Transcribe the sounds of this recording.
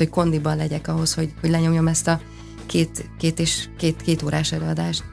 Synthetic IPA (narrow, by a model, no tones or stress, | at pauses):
hocko̞nd̪ibɒnlɛɟɛkɒɦo̞sho̞ɟho̞ɟlɛɲo̞mjo̞mɛst̪ɒ | keːt̪keːt̪eːʃkeːt̪keːt̪oːɾʔaːʃɛløːɒd̪aːʃt̪